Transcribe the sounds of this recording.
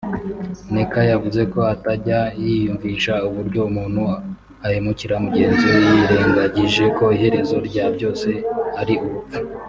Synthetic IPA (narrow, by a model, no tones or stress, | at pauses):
ne̞kajavuze̞ko̞ataɟajijuɱviːʃauβuɾɟo̞umuːnhu | ahemuciɾamuɟe̞ːnzojiɾe̞ːŋɡaɟiʒe̞ko̞iɦe̞ɾe̞zo̞ɾɟaːɾɟo̞ːse̞aɾiuɾup͡fu̥